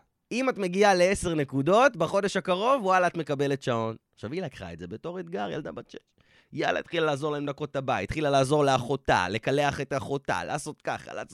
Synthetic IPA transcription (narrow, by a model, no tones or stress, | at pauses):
imatme̞ɡiale̞ese̞ʁne̞kudo̞tbaχo̞de̞ʃhakaʁo̞vwalaːtme̞kabe̞letʃao̞naχʃavilakχa̰edze̞be̞to̞ʁetɡaʁja̰ldabat͡ʃeʃ | ja̰la̰t̪χilalaːzo̞ʁlaemdako̞tabaittːχilalaːzo̞ʁleaχo̞ta̰le̞kale̞aχe̞taχo̞ta̰la̰ːso̞tka̰χa̰la̰ːs